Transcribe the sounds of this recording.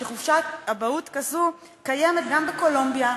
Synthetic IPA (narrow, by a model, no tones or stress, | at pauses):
eχuvʃaabautkazu | kajemet̪ɡambeko̞lombja